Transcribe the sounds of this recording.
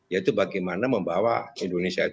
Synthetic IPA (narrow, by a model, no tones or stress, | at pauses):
jait̪ubaɡajmanaməmbawaindonesiai